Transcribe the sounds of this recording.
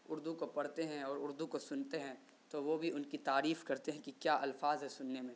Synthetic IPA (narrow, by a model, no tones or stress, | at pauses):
ʊɾd̪ukopɐɽt̪eɦɛ̃ɔːɾʊɾd̪ukosʊnt̪eɦɛ̃ | t̪oʋobʱiʊnkit̪aːɾiːfkɐɾt̪eɦɛ̃kikjaːʔɐlfaːzɦɛsʊnːemẽ